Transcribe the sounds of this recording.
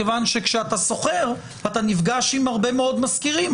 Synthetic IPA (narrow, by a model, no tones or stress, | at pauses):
evanʃe̞kʃeat̪aso̞χeʁ | at̪anifɡaʃimhaʁbe̞meo̞d̪maskiʁim